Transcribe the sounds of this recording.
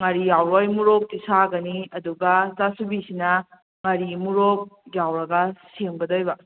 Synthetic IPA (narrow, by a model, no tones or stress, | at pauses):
ŋɐɾijawɾojmuɾok̚tisaɡɐniɐduɡɐsasubisinɐ | ŋɐɾimuɾok̚jawɾɐɡɐseŋbɐdojbɐ